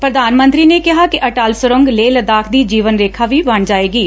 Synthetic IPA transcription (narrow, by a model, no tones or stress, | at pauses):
pɾəd̪aːnmə̃nt̪ɾiːneːkɪɦaːkɪəʈaːlsəɾəŋɡleːləd̪aːkʰd̪iːd͡ʒiːʋənɾeːkʰaːʋiːbəɳd͡ʒaːeːɡiː